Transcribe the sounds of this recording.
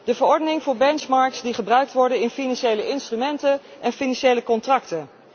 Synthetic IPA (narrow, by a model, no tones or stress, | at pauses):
dəvəɹɔɹdənɪŋvʊːɹbɛnt͡ʃmɑɹksdiχəbrœɥk̚tʋɔɹdənɪnfinɑnʃejləʔɪnstrymɛntənʔɛnfinɑnʃejləkɔntrɑktən